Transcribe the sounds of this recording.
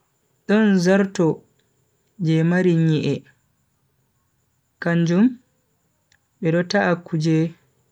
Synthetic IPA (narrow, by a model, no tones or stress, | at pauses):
ɗɔnzaɾtɔ | d͡ʒɛmaɾiɲiʔɛ | kaɲd͡ʒum | ɓɛɗɔtaʔakːud͡ʒɛ